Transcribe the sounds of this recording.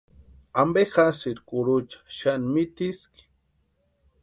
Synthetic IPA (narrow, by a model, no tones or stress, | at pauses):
ambexasiɾkuɾut͡ʃḁʃanmit̪iski̥